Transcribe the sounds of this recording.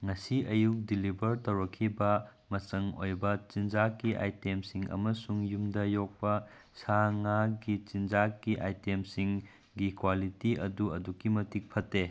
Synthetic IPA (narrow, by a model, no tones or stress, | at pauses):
ŋɐsiɐjuk̚dilibɐɾtɐwɾɐkʰːibɐ | mɐt͡ʃɐŋo̰jbɐt͡ʃind͡ʒakːiʔa̰jtemsiŋɐ̰mɐsuŋjumdɐjok̚pɐ | saŋaɡit͡ʃind͡ʒakːiʔa̰jtemsiŋ | ɡikwalitiɐ̰duɐdukːimɐtik̚pʰɐtːe